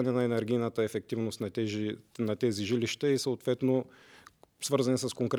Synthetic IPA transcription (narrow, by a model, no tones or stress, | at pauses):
ɐnɛnɐɛnɛɾɡʲijnət̪əɛfɛk̚t̪ivnost̪nɐt̪ɛnɐt̪ɛziʒiliʃt̪əisɐot̪vɛt̪no | svɤɾzɐnɛsɐskoŋkɾ